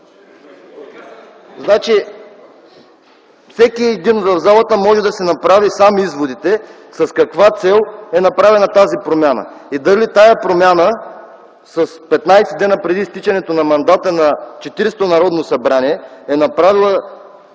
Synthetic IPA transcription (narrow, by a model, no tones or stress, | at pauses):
znat͡ʃi | fsɛkiɛd̪invɐvzalˠɐt̪əmɔʒɛd̪ɐsɛnɐpɾavisamizvod̪it̪ɛ | sɐskɐkvat̪sɛlˠɛnɐpɾavɛnɐt̪azipɾomʲjanə̰ | id̪ɐlit̪ajɐpɾomʲanə | sɐspɛt̪najsɛd̪ɛnəpɾɛd̪ist̪it͡ʃɐnɛt̪onɐmɐnd̪at̪ənɐt͡ʃɛt̪iɾst̪onɐɾɔd̪nosɐbɾaniɛɛnɐpɾavilˠə